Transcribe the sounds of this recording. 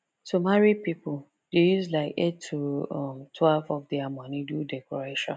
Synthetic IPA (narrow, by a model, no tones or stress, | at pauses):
tumaɹipipʊl | d̥ejuzlaɪketʰːuɔmtʰwɛlvɔvdɛamɔ̃nidudɛkʰɔɹeʃɔ̰̃n